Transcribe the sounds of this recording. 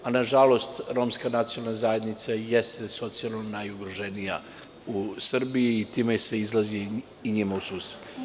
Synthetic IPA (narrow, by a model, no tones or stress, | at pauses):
anaʒalo̞st̪ɾo̞ːmskanat̪sioalnazajed̪nit̪sajest̪eso̞t̪sialˠnonajuɡɾoʒe̞nija̰ | usr̩bijiːt̪iːmese̞izlˠaziː | ɲimausuːset̪